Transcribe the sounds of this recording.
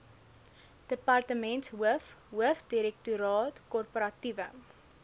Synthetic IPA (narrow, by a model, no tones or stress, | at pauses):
d̥əpɐrtəmɛntsɦuəfɦuəfdiɾɛk̚tuɾɑːtkɔrpəɾɐtivə